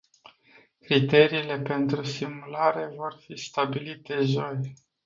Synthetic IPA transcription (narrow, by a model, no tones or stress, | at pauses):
kɾit̪e̞ɾiːle̞pe̞nt̪ɾusimulaɾe̞vo̞rfist̪abilit̪e̞ʒo̞j